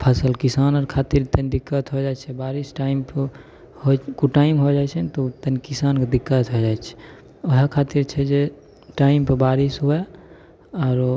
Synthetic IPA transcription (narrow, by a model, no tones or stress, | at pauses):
pʰəsəlkisanəɾkʰat̪iɾt̪ənd̪ikːət̪ɦod͡ʒaɛt͡ʃʰɛbaɾisʈaimp | hokuʈaimɦod͡ʒat͡ʃʰɛt̪ot̪ənikisaːnked̪ikːət̪ɦod͡ʒaɛt͡ʃʰɛ̥ | oɦəkʰat̪iɾt͡ʃʰɛd͡ʒe | ʈaimpəbaɾisɦoɛ | ɔːɾo